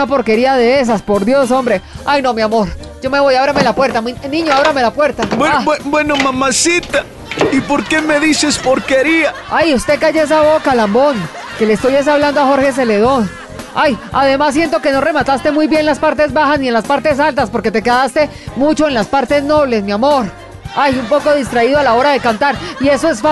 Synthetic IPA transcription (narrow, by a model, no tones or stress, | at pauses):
apo̞ɾke̞ɾiaðe̞es̬aspo̞ɾd̪jo̞s̬o̞mbɾe̞ajno̞mjamo̞ɾ | d͡ʒo̞me̞βo̞jaβɾame̞lapwe̞ɾt̪aminĩɲoaβɾame̞lapwe̞ɾt̪awaebweno̞mamasit̪a | ipoɾke̞me̞ðisespoɾke̞ɾiaajust̪e̞kaʝees̬aβo̞kalambo̞ŋ | ke̞leːst̪ojes̬aβland̪oaxo̞ɾhe̞s̬e̞le̞ðo̞n | ajaðe̞masːje̞nt̪̬o̞ke̞no̞re̞mat̪ast̪e̞mujbjenlaspaɾt̪̬e̞zbaxazsnie̞nlaspaɾt̪e̞salt̪aspo̞ɾke̞t̪e̞keðast̪e̞mut͡ʃo̞enlaspaɾt̪e̞zno̞βle̞smiamo̞ɾ | ajumpo̞ko̞ðist̪ɾaiðoalao̞ɾaðe̞kant̪aɾie̞soesfa